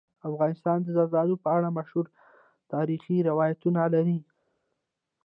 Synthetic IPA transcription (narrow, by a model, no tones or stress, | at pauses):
afɣɑnɪst̪ɑnd̪əzazɑd̪opəaɽamaʃhuɾ | t̪ɑɾixiɾɪwɑjat̪unalaɾi